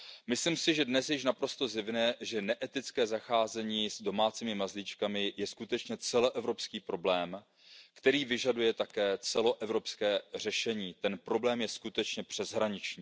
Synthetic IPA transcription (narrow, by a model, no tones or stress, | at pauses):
mɪslimsɪʒɛdnɛsjɪʃnapɾo̞st̪o̞zɪvnɛːʒɛnɛʔɛt̪ɪt͡skɛːzaxaːzɛɲiːzdo̞maːt͡siːmɪmazlit͡ʃkamɪjɛskut̪ɛt͡ʃɲɛt͡sɛloʔɛvɾo̞pskiːpɾo̞blɛːm | kt̪ɛɾiːvɪʒadujɛt̪akɛːt͡sɛlo̞ʔɛvɾo̞pskɛːr̝ɛʃɛɲiːt̪ɛnpɾo̞blɛːmjɛskut̪ɛt͡ʃɲɛpr̥ɛzɦɾaɲɪt͡ʃɲiː